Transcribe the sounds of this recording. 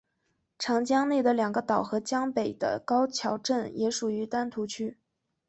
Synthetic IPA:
ʈ͡ʂʰɑ˧˥ŋt͡ɕjɑ˥ŋne˥˩d̪ə˩ljɑ˨˩ŋɡə˦t̪ɑ˨˩ʊxɤ˧˥t͡ɕjɑ˥ŋpe˨˩ɪd̪̥ə̰˦kɑ˥ʊt͡ɕʰjɑ˧˥ʊʈ͡ʂə˥˩njɛ˧˥ʂu˨˩y˧˥t̪a˥nt̪ʰu˧˥t͡ɕʰy˥

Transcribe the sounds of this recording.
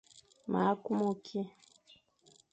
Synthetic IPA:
ma˨˦ku˦mo˨kʰi˦

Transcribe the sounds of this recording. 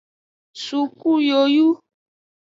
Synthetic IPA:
su˨ku˦jo˨ju˦

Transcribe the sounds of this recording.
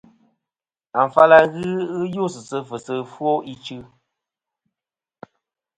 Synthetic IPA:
a˨ɱ˨fa˦la˦ɣɨ˦ɣɨ˦jo˦˨sɨ˨sə˦fɨ˨sə˦fwo˦ʔi˦t͡ʃɨ˦

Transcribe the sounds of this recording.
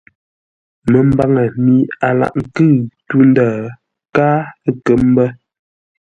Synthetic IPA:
mə˨m˦ba˦ŋə˨mi˨˦a˨la̰˨ʔŋ̩˨kɨ˦˨tu˦n˦daː˦˨ | kaː˦ə˦kə˨˦m˦bə˦

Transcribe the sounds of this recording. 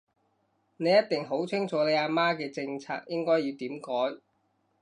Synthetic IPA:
ne˨˧jɐ˥t̪̚t̪ɪ˨ŋɦo˨˥wt͡sʰɪ˥ŋt͡ʃʰɔː˨˥le˨˧aː˧maː˥kɛː˧t͡sɪ˧ŋt͡sʰa̰ː˧k̚jɪ˥ŋkɔː˥jiː˧wt̪iː˨˥mkɔː˨˥j

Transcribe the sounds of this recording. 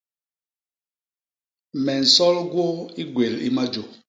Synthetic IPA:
mɛ˨n̩˨sɔ˦lɡwo˦i˦ɡwe˨lḭ˦ma˦d͡ʒo˨

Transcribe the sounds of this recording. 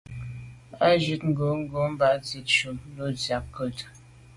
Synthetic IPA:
a˦d͡ʒi˦tŋ̩˨ɡo˨˦ŋ̩˦ɡo˨˦m̩˦ba˨˦d͡zi˨t̚ʃu˨m˦lo˦d͡zja˨p̚kə˦˨t

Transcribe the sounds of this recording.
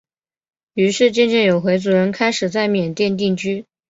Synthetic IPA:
y˧˥ʂɻ̩˥˧t͡ɕjɛ˥˧nt͡ɕjɛ˥˩njo˨˩ʊxwe˧˥ɪt͡su˧˥ɻə˧˥nkʰa˥ɪʂɻ̩˨˩t͡sa˥˩ɪmjɛ˨˩nt̪jɛ˥˧nt̪i˥˩˧ŋt͡ɕy˥

